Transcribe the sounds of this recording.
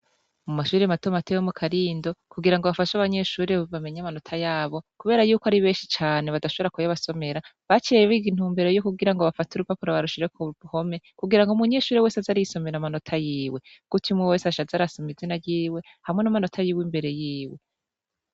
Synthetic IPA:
mumaʃuːɾematomatewomukʰaɾiːndo̞kuɡiɾaŋɡoβafaʃaβaɲe̞ʃuːɾeβame̞ɲamano̞tʰajaːβo̞kuβe̞ːɾajuːkaɾiβe̞ːnʃit͡ʃaːne̞βadaʃo̞βe̞ɾakujaβaso̞me̞ɾaβat͡ʃeeβiɡin̥huːmbeɾojokuɡiɾaŋɡo̞βafatuɾupapuɾaβaɾuʃiɾekuuho̞me̞kuɡiɾaŋɡumuɲe̞ːʃuːɾewe̞ːsazaɾiso̞me̞ɾamanotʰajiːwe̞ɡ̥utʰimwiwe̞ːsaʃazaɾasomizinaɾɟiːwe̞ | hamŋe̞namano̞tʰajiːwimbe̞ɾe̞jiːwe̞

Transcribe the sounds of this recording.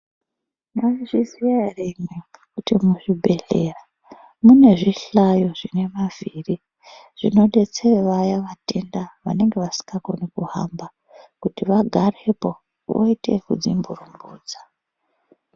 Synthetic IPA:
maiʐizijaremwekutimuʐibʱe̞ɬe̞ra | mune̞ʐiɬajo̞ʐine̞maviri | ʐ̥ino̞ɗe̞t͡seʋajaʋate̞ndaʋa̰ne̞ŋɡe̞ʋasi̥kɡakonikuɦa̰mba | kutiʋaɡʱare̞po̞ | ʋo̰ite̞̰kud͡zimburumbbuːd͡za

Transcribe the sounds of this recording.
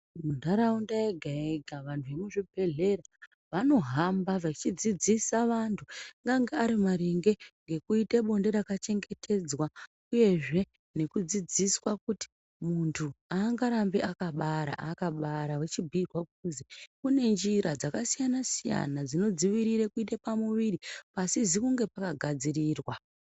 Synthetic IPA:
mundaɾaundaeɡʱaeɡʱaʋantʰuʋemuʐibʱe̞ɮe̞ra | ʋano̞ɦambaʋat͡ʃid͡zid͡zisaʋantʰuŋɡaŋɡeaɾimaɾeŋɡe̞ŋɡe̞kuiteɓo̞ndeɾakat͡ʃe̞ŋɡe̞tʰe̞d͡zwa | uje̞ʐe̞ | ne̞kud͡zid͡ziswakuti̥ | muntʰuaːŋɡaɾambeʔakaɓaɾa̰ʔakaɓaɾawet͡ʃibʱirwakuuzikune̞nd͡ʒiɾad͡zakasijanasija̰nad͡zino̞d͡ziʋiɾiɾekuit̬epamuʋiɾipasizikuŋɡe̞pakaɡʱad͡ziriːrwa

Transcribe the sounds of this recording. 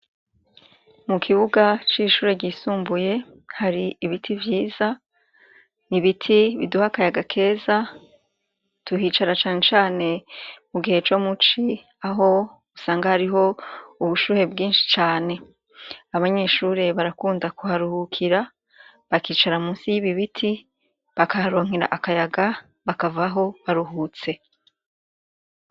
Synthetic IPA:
mukʰiβuɡat͡ʃiʃuːɾe̞ɟiːsuːmbuje̞ | haɾiiβitʰivjiːza | niβitʰiβḭduhakajaɡakʰe̞ːza | tuhiːt͡ʃaɾat͡ʃaːne̞t͡ʃaːne̞muɡihe̞t͡ʃo̞mut͡ʃi | aɦo̞ | usaːŋɡahaɾiɦo̞uβuʃuːɾe̞bɡiːnʃi̥t͡ʃaːne̞ | aβaɲe̞ːʃuːɾe̞βaɾakuːndakuhaɾuhukʰiɾa | βakiːt͡ʃaɾamuːnsijiβiβitʰi | βakahaɾo̞ːŋ̥iɾa̰ʔakajaɡa | βakavaɦo̞βaɾuɦuːt͡se̞

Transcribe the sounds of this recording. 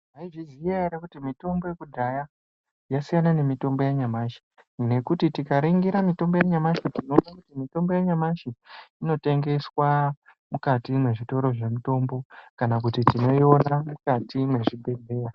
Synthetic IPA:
aiʐiziaaɾekutimito̞mbo̞je̞kudʱaja | jasijanane̞mito̞mbo̞jaɲamaʃi̥ | ne̞kutitikaɾeŋɡiɾamito̞mbo̞jaɲamaʃitino̞nakutimito̞mbo̞jaɲamaʃiːno̞te̞ŋɡe̞swa | mukatimwe̞ʐito̞ɾo̞ʐe̞muto̞mbo̞kanak̬utitino̞io̞namukatimwe̞ʐibʱe̞ɮe̞ːra

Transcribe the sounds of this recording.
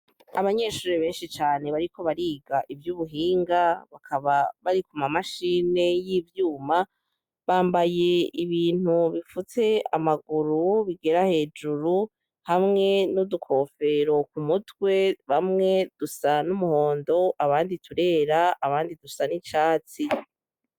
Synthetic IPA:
aβaɲe̞ːʃuːɾiβe̞ːnʃit͡ʃaːne̞βaɾikʰo̞βaɾiːɡaʔivjuːβuɦiːŋɡaβakʰaβaβaɾikumamaʃiːne̞jiːvjuːma | βaːmbaje̞iβiːn̥uβifut͡se̞amaɡuɾuβiɡe̞ɾahe̞ːd͡ʒuɾu | hamŋe̞nudukʰo̞fe̞ɾo̞kumutwe̞βamŋe̞d̥usanumuho̞ːndo̞ʔaβaːnditʰuɾe̞ːɾaaβaːndidusanit͡ʃaːt͡si

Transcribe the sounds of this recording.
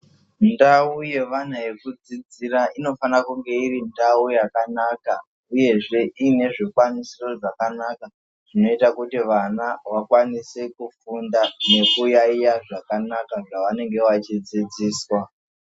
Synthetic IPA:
ndauje̞ʋan̤ae̞kud͡zid͡ziɾaʔino̞fanakuŋɡe̞irindaujakanaːka | uje̞ʐe̞ʔine̞ʐikwanisiro̞ʐakanaka | ʐ̥ino̞itakutiʋanawakwanisekufundane̞kujaijaʐakanakaʐaʋane̞ŋɡe̞ʋat͡ʃid͡zid͡ziːswa

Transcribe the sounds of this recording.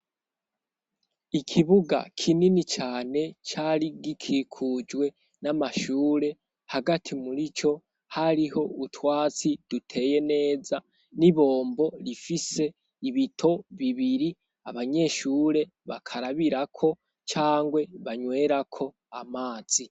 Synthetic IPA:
ikʰiβuɡa̰kʰininit͡ʃaːne̞t͡ʃaːɾiɡikʰikʰud͡ʒwe̞ | namaʃuːɾe̞ | haɡatʰimuɾit͡ʃo̞ | haɾiho̞utwaːt͡sid̥utʰe̞je̞ne̞ːza | niβo̞ːmbo̞ɾifise̞ | iβitʰo̞βiβiɾi | aβaɲe̞ʃuːɾe̞ | βakʰaɾaβiɾakʰo̞ | t͡ʃaːŋɡwe̞βaɲwe̞ːɾakʰo̞ | amaːz̥i

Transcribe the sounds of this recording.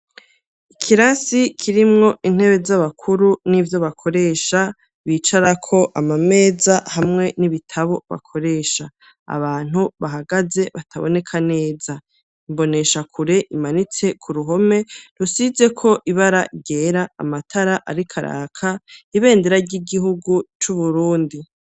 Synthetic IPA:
ikʰiɾasikʰiɾimŋo̞ʔin̥he̞βe̞zaβakʰuɾunivjo̞βakʰo̞ɾe̞ːʃa | βit͡ʃaɾakʰo̞ʔamame̞ːzahamŋe̞niβitʰaβo̞βa̰kʰo̞ɾe̞ːʃa̰ː | βaːn̥huβaɦaɡaze̞βatʰaβo̞̰ne̞kʰane̞ːza | imbo̞ne̞ʃakʰuɾe̞ʔimanit͡se̞kʰuɾuɦo̞me̞ɾusize̞kʰo̞ʔiβaɾaɟe̞ːɾa̰ːmatʰaɾaʔaɾikʰaɾa̰ːkʰaiβe̞ːndeɾaɾɟiɡihuɡut͡ʃuβuɾuːndi

